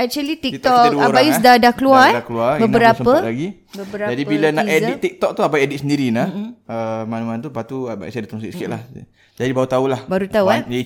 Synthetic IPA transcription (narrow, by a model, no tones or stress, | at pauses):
ɛk̚t͡ʃuəlit̪ik̚t̪ɔkabajusdadakluaakluabənəɾasəmpəlaɡi | bəbəɾad͡ʒadibilanaedit̪̚ik̚t̪ɔk̚t̪uapaedit̪səndiɾinaəmanuant̪̬upat̪uba̰sadat̪skit̪sə̥kit̪̚lah | d͡ʒadibaut̪aulahbaɾut̪auad͡ʒa